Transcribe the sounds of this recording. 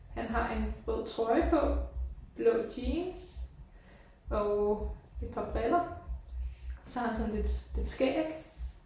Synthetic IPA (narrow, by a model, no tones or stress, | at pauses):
hænɦɑ̈ʔe̝nʁɔð̰ˠt͡sʰʁɒ̽ɪpʰɒ̽b̥loʊd̥iːns | ɒ̽ | e̝d̥̚pʰɑ̈b̥ʁɛlɐ | ɒ̽sɒ̽hɑ̈hænsɒ̽nle̝d̥le̝d̥sɡ̥ɛ̰ːɡ̥